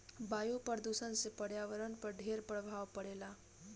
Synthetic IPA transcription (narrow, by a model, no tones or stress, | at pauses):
bajupəɾd̪usənsepəɽjaʋəɾənpəɾɖʱeɾpɾəbʱawpəɽela